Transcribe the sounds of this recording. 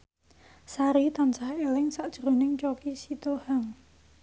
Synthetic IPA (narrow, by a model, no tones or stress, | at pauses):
saɾit̪ansahelɪŋsaʔd̥ʒ̥ɾonɪŋt͡ʃokisit̪ohaŋ